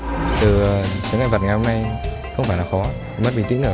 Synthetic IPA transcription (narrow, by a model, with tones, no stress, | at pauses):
t̪ɨ˨˩˨t̪əː˨˦ŋa˧˩jvə˨˩t̚ŋa˨˩jho˧ŋ͡mna˧j | xə˧wŋ͡mfaː˧˩jlaː˨˩xɔ˨˦ | mə˦˥ɓḭ˧˨t̪ḭ˧˥ŋnɨ˧˩